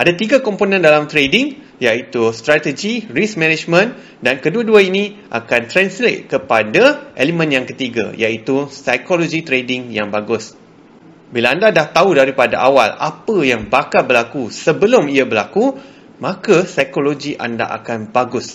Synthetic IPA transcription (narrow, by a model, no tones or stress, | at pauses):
ʔadat̪iɡakomponə̃ndalamt̪ɾedɪŋ | jait̪ust̪ɾat̪əd͡ʒirismɛ̃nɛd͡ʒmə̃n | dankəduaduainĩʔa̰kant̪ɾanslḛt̪̚kəpadaʔelimə̃njaŋkət̪iɡa̰jait̪usajkolod͡ʒit̪ɾedɪŋjaŋbaɡʊs | bilaandadaht̪audaɾipada̰ʔawa̰la̰pəjaŋbakal̚bəlakusəbəlʊmiabəlaku | mãkasajkoloɡiʔa̰nda̰ʔa̰kanbaɡʊs